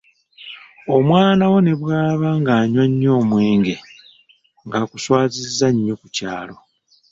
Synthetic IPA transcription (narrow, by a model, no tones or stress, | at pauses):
o̞mwaːnawo̞ne̞βwaːβaŋɡaːɲwaɲːo̞ːmwe̞ːŋɡe̞ | ŋɡaːkuswaːzizːaɲːokucaːlo̞